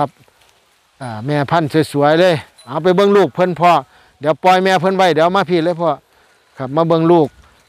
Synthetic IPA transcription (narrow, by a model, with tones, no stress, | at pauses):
a˧˩p̚ | ʔaː˧˩mɛː˧˩pʰa˧˥˨nssu˨˦əjlɤː˧˨j | ʔa˨˧˦wp̬a˨˩jbɤ˧˥˨ŋluː˧˩k̚pʰɤ˧˥˨npʰɔː˧ | dɛː˨˦wpɔː˧˨jmɛː˧pʰɤ˧˥˨nwa˧˥˨jdɛː˨˦wmaː˧˥˨pʰi˧˨lɤː˧˨pʰɔ˧˨ | kʰa˧˩p̚maː˧˥˨bɤ˧˨ŋluː˧˩k̚